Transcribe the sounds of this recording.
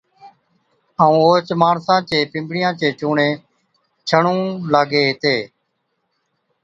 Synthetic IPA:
aːũːoːt͡ʃmaːɳsãːt͡ʃeːpɪ̃mbɽɪjãːt͡ʃeːt͡ʃuːɳẽː | t͡ʃʰəɳũːlaːɡeːɦɪt̪eː

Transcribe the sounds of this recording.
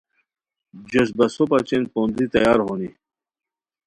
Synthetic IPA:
d͡ʑosbɐsopɐt͡ɕenpond̪ɾit̪ɐjaːɾɦoni

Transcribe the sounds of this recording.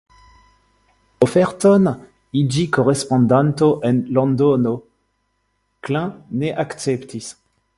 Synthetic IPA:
ofɛʁt̪on | id͡ʒikoʁespɔ̃nd̪ant̪oʔenlɔ̃nd̪ono | klɛ̃neʔakt͡sɛpt̪ʰis

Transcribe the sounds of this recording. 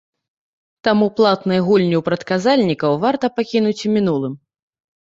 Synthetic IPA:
t̪amuplˠat̪nɨjɣulʲnʲiwpɾɐt̪kazalʲnʲikɐwvart̪ɐpakʲinut͡sʲmʲinulˠɨm

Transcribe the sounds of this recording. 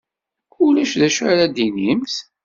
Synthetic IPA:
ʊlæʃðæʃaɾad̪injəmθ

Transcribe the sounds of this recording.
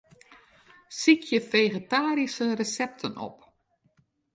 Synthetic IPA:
sikʰjəfejɣetaːɾisərəsɛp̚tʰənɔ̰p

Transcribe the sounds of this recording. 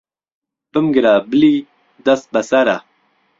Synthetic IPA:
bəmɡəɾaːbli | d̪ɐs̚bɐsɐɾa

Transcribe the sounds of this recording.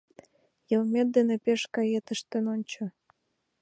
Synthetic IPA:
jə̆lmʲet̪̚d̪enepeʃkɑjet̪əʃt̪enonʲt͡ɕɤ̆

